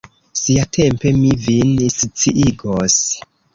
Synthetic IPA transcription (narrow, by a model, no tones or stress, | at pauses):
siatʰe̞mpe̞mivinst͡siʔiɡos